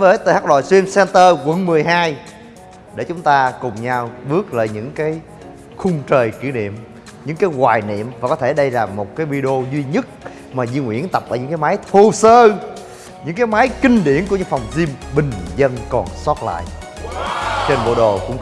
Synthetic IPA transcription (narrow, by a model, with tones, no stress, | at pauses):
vəː˨˦jt̪əː˨˩haː˦˥k̚lo̰˧˨jswi˧ənsɛ˧nt̪əː˧ɣwə̰˧˥nmɨ˨˩əjɦaː˧j | ɗe˧˩t͡ɕʊ˨˦ŋ͡mt̪aː˧kʊ˨˩ŋ͡mɲaː˧wɓɨ˦˥ək̚lə̰ː˧˨jɲɨ̰˧˥ŋkaː˨˦j | xʊ˧ŋ͡mt͡ɕəː˨˩jki˧˩əɗḭ˧˨əm | ɲɨ̰˧˥ŋkaː˨˦jɣwaː˨˩jnḭ˧˨əmvaː˨˩kɔ˨˦t̪ʰe˧˩ɗə˧jlaː˨˩mo˨˩t̚kaː˨˦jvi˧ɗo˧zwi˧ɲə˦˥t̚ | maː˨˩zi˧ŋwḭ˧˥ənt̪ə˨˩p̚ʔəː˧˩ɨ̰˧˥ŋkːjmaː˨˦jt̪ʰu˧səː˧ | ɲɨ̰˧˥ŋkaː˨˦jmaː˨˦jkï˧ŋ̟ɗḭ˧˩ənku˧˩ɲɨ̰˧˥ŋfa˨˩wŋ͡mzi˧mɓï˨˩ŋ̟zə˧nkɔ˨˩nsɔ˦˥t̚la̰ː˧˨j | t͡ɕe˧nɓo̰˧˩ɗo˨˩kʊ̰˧˥ŋ͡m